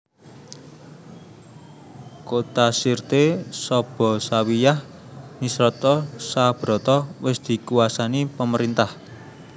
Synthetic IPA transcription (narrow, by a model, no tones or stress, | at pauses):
kot̪asirt̪esɔb̥ɔ̤sawijah | nisɾɔt̪ɔsab̥ɾɔt̪ɔwɪsd̪̥i̤kuwasanipəməɾint̪ah